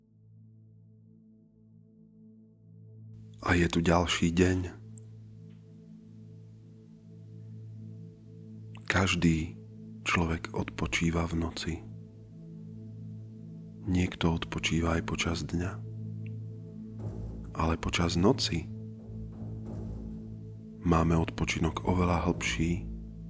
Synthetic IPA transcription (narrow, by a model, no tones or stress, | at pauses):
ʔajɛt̪uɟalʃiːɟɛɲ | kaʒd̪iː | t͡ʃlɔʋɛɡɔ̰t̪pɔt͡ʃiːʋavnɔt͡si | ɲɪɛkt̪ɔɔt̪pɔt͡ʃiːʋaːjpɔt͡ʃazd̪ɲa | ʔalɛpɔt͡ʃaznɔt͡si | maːmɛɔt̪pɔt͡ʃinɔɡɔʋɛlaɦl̩pʃiː